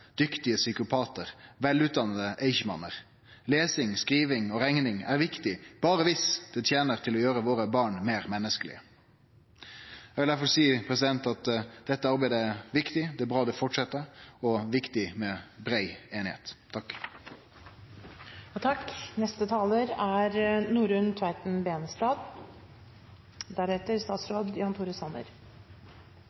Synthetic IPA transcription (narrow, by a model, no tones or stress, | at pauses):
d̪̥ʏkt̪ɪəsʏkʊpʰɑːt̪əʁʋɛlʉːt̪̚d̪ɑnəd̪əʔeɪçəmɑ̰nːəʁ | leːsɪŋskɾiːʋɪŋɔɾɛŋnɪŋæɾʋɪkt̪ɪb̥ɑːɾəʋɪsd̪̥ɛt̪ʰjeːnəʁt̪ʰɪlɔjøːɾəʋoːɾəbɑːɳmeːɾmɛnːəskəlɪ̰ə | jɛɡʋɪld̪æɾfɔlsiːpʰɾɛsɪd̪ɛnt̪ɑt̪d̪̥ɛt̪ːəɑɾbæɪd̪əæɾʋɪkt̪ɪd̪ɛːæbʁɑːd̪ɛfɔʈʂɛt̪ːəɔʋɪkt̪ɪmɛbɾæɪeːnɪhḛːt̪t̪ʰɑkː | t̪ʰɑknɛst̪ət̪ʰɑːləɾæɾnuːɾʉnt̪ʰʋɑɪt̪n̩beːnst̪ɑːd̪ | d̪æɾɛt̪əɾst̪ɑːt̪sɾoːd̪jɑːnt̪ʰuːɾəsɑnə̰ɾ